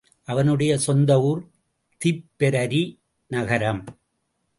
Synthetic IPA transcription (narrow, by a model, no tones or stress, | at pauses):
ʔɐʋɐnɯɽɐjɐsɔnd̪ɐʋuɾ | t̪ipːɛɾɐɾi | nɐɣɐɾɐm